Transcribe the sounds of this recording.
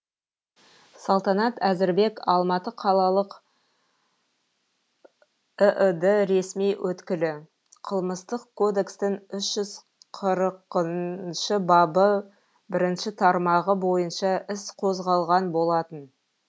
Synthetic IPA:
sɑlˠt̪ɑnɑt̪æzɪɾbe̞kɑlˠmɑt̪əqʰɑlˠɑlˠəq | əʔəd̪eɾe̞smijwʔɵt̪kʲɪlɪ | qʰəlˠməst̪əqkʰo̞d̪e̞kst̪ɪŋʏʃʒ̥ʏz | qʰəɾqəʃɪbɑbə | bɪɾɪnʃɪt̪ʰɑɾmɑʁəbo̞jənʃɑɪsqʰo̞zʁɑlˠʁɑnbo̞lˠɑt̪ən

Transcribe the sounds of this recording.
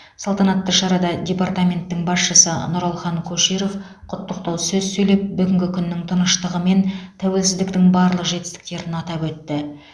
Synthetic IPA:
sɑlˠt̪ɑnɑt̪ːəʃɑɾɑd̪ɑdʲe̞part̪amʲe̞nt̪ːɪŋbɑsʃəsə̰nʊɾɑlˠχɑŋkʲʰɵʃijɾof | qʰʊt̪ːəqt̪ɑwsɵzsɵjle̞p̚bʏɡʲɪŋɡʲɪkʲʰʏnːɪŋt̪ʰənəʃt̪əʁəme̞nt̪ʰæwe̞lsɪzd̪ɪk̚t̪ɪŋbɑɾlˠəqʒe̞t̪ɪ̥st̪ɪ̥k̚t̪e̞ɾɪnɑt̪ɑpwɵt̪ːɪ

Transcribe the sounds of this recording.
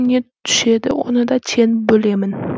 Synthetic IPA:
net̪ʰʊ̥ʃed̪ɪonɪd̪at͡ʃʰenɪbolemɪn

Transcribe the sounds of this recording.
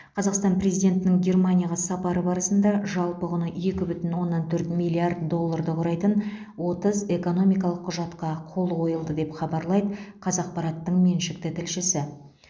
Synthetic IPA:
qʰɑzɑqst̪ɑnpɾe̞zijd̪ʲe̞nt̪ɪnɪŋɡʲe̞rmanʲijaʁɑsɑpɑɾəbɑɾəsənd̪ɑʒɑlˠpəʁʊnəe̞kʲɪbʏt̪ɪnwo̞nːɑnt̪ʰɵɾt̪mijlʲːˠiard̪d̪o̞lˠːaɾd̪əqʰʊɾɑjt̪ən | wo̞t̪əze̞ko̞no̞mijk̬ɑlˠəqʰːʊʒɑt̪qɑqʰo̞lˠqʰo̞jəlˠd̪əd̪e̞pχɑbɑɾlˠɑjd̪əqʰɑzɑq̚pɑɾɑt̪ːəɴme̞nʃɪk̚t̪ɪt̪ʰɪlʃɪsɪ

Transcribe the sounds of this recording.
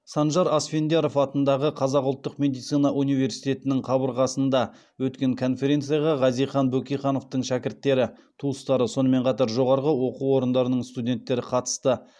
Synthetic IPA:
sɑnʒɑɾɑsfe̞nd̪eɾo̞fɑt̪ənd̪ɑʁəqʰɑzɑqʊlˠt̪ːəqmʲe̞d̪ijt̪sɨjnɑʔunijve̞ɾsijt̪ʲe̞t̪ɪnɪŋqʰɑbəɾʁɑsənd̪ɑ | wɵt̪kʲe̞ŋkʰo̞nfe̞ɾʲe̞nt̪sɨjɑʁɑʁɑzijχɑnbɵkʲijχɑno̞ft̪əɴʃækʲɪɾt̪ːe̞ɾɪt̪ʰuəst̪ɑɾəso̞nəme̞ɴqʰɑt̪ɑɾʒo̞ʁɑɾʁəwo̞quwo̞ɾənd̪ɑɾənəɴst̪ud̪ʲe̞nt̪ːe̞ɾɪqʰɑt̪ə̥st̪ə

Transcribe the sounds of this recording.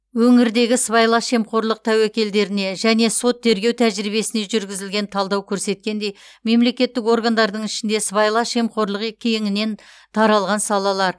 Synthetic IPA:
wɵŋɪɾd̪e̞ɡʲɪsbɑjlˠɑʃe̞mqo̞ɾlˠəq̚t̪ʰæwekʲe̞ld̪e̞ɾɪne̞ʒæne̞so̞t̪ʰːe̞ɾɡʲe̞wt̪ʰæʒɾibe̞sɪne̞ʒʏɾɡʲɪzɪlɡʲe̞nt̪ʰɑlˠd̪ɑwkʲʰɵɾse̞t̪̚kʲe̞nd̪e̞jme̞mle̞kʲe̞t̪ːɪko̞ɾɡand̪ɑɾd̪əɴɪʃɪnd̪e̞sβɑjlˠɑʃemqo̞ɾlˠəqkʲʰːejɪŋɪne̞n | t̪ʰɑɾɑlˠʁɑnsɑlˠɑlˠɑɾ

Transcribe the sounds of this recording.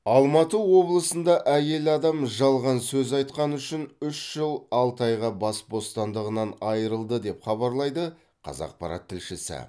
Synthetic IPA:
ɑlˠmɑt̪əwo̞blˠəsənd̪ɑʔæje̞lɑd̪ɑmʒɑlˠʁɑnsɵzɑjt̪̚qɑnʏʃɪnʏʃʒ̥əlˠɑlˠt̪ɑjʁɑbɑsbo̞st̪ɑnd̪əʁənɑnɑjəɾəlˠd̪əd̪e̞pχɑβɑɾlˠɑjd̪ə | qʰɑ̰zɑ̰q̚pɑ̰ɾɑ̰t̪ʰːɪlʃɪsɪ̰

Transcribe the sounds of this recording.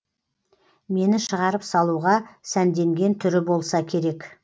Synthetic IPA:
me̞nɪʃəʁɑɾəpsɑlˠuʁɑsænd̪e̞ŋɡʲe̞nt̪ʰʏɾɪbo̞lˠsɑkʲʰe̞ɾe̞k

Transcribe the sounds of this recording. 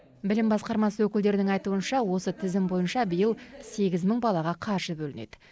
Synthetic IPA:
bɪlɪmbɑsqɑɾmɑswɵkʲɪld̪e̞ɾɪnɪŋɑjt̪uənʃɑwo̞sət̪ʰɪzɪmbo̞jənʃɑbəjəlˠse̞ɡʲɪzməɴbɑlˠɑʁɑqʰɑɾʒəbɵlɪne̞̰d̪̥ɪ

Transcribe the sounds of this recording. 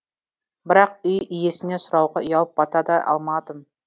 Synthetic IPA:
bɪɾɑqʏjʏje̞sɪne̞sʊɾɑwʁɑʏjɑlˠəpːɑt̪ɑd̪ɑʔɑ̰lˠmɑd̪əm

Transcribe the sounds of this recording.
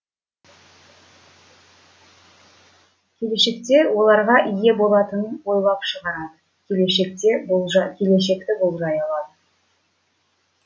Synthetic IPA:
kʲʰe̞le̞ʃe̞kt̪e̞wo̞lˠɑɾʁɑʔije̞bo̞lˠɑt̪ənənwo̞jlˠɑpʃəʁɑɾɑd̪ə | kʲʰeleʃe̞k̚t̪e̞b̪ˠʒɑkʲʰe̞le̞ʃ̬e̞kt̪ɪbolˠʒɑjɑlˠɑd̪ə

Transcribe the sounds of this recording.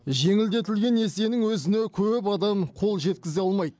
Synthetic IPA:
ʒe̞ŋɪld̪e̞t̪ɪlɡʲe̞ne̞se̞nɪŋwɵzɪnekʲʰɵp̬ɑd̪ɑmqʰo̞lˠʒe̞t̪̚kʲɪzeɑlˠmɑjd̪ə

